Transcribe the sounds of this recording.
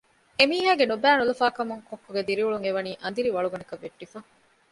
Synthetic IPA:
emiːɦaːɡenubæːnulɐfaːkɐmuŋkokːoɡed̪iɾiuɭuŋeʋɐniːʔɐnd̪iɾiʋɐɭuɡɐnɐkɐʋːeʈːifɐ

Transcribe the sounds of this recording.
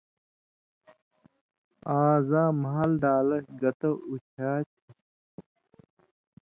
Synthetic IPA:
aːzãːmaalɖaːlɐɾɡɐt̪ɐut͡ɕʰaːt͡ɕʰi

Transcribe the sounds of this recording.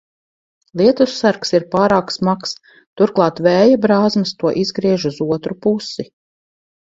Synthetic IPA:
lˠiɛt̪usːaɾksiɾpaːɾaːksmaks | t̪uɾklˠɑːt̪vɛːjabɾaːzmɨst̪uɔʔizɡɾiɛʒuzuɔt̪ɾupusi

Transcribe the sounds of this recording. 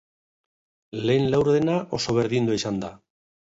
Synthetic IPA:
le̞ːnlawɾðenaʔo̞so̞β̞e̞ɾðind̪uaisand̪a

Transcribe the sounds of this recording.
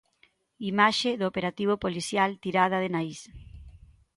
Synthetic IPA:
imaʃeðoopeɾat̪iβ̞opoliθjalt̪iɾað̞ɐðenais

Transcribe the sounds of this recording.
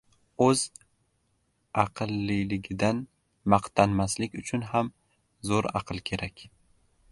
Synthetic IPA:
ɵz | ɑqʰɨlˠːɪlɪɡʲɪd̪an | mɑqt̪ʰanmaslɪkʲʊt͡ʃʰʊnɦam | zoɾɑ̰qʰɨlˠkʲʰe̞ɾakʲ

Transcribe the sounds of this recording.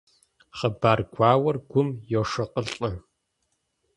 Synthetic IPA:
χɐbaːrɡʷaːwɐrɡʷʊmjoʂɐqəɬʼɐ

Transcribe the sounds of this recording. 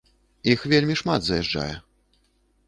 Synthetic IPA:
ixvʲelʲmʲiʂmad̪zɐjɛʐd͡ʐa̰jɛ̰

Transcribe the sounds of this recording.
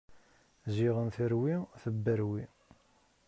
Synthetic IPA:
ziʁənθəɾwiθəbːəɾwi

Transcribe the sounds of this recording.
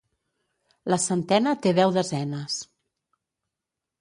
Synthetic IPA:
ləsənt̪ɛnət̪eðɛwðəzɛnəs

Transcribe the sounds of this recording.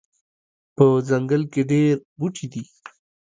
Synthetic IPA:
pəzaŋɡəlkeɖeɾbuʈʰid̪i

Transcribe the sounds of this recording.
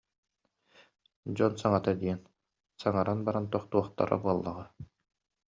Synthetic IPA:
d͡ʑɔnsaŋat̪ad̪iɛn | saŋaɾʔanbaɾant̪uɔχt̪uɔχt̪a̰ɾa̰buɔlˠːaʁɯ

